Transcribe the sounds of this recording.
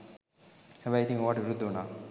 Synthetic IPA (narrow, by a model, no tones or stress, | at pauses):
hɛʋɛjit̪iŋoʋaːʈəʋiɾud̪ʱːəunaː